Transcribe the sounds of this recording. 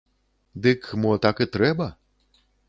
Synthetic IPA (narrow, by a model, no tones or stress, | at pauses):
d̪ɨkmɔt̪akɨt̪ɾɛbɐ